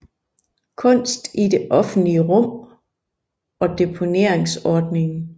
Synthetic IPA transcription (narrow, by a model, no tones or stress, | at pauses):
kʰɔ̽n̰sd̥ide̝ʔɒ̽fn̩dliəʁɔ̽m̰ | ɒ̽d̥e̝pʰo̝ne̝ɐ̰eŋsɒːd̥ne̝ŋ̩